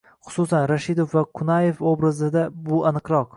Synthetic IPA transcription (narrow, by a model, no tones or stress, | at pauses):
χʊ̥sʊsanɾaʃɪd̪ofvakʰʊnajefobɾazɪd̪abʊanɨqɾɒq